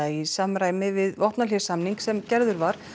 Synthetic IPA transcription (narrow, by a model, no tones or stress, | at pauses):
aisamɾaːjmɪvɪðɔht̪nalɛ̥samniŋksɛmcɛɾðʏɾvaɾ̥